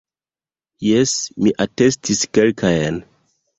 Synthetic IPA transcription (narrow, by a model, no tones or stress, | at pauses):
jesmiʔate̞stiskelkʰajn